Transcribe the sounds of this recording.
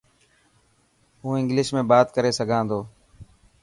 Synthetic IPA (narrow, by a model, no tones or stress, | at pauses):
ɦuːɪ̃ŋɡlɪʃmẽːbaːt̪kəɾeːsəɡʱãːnd̪oː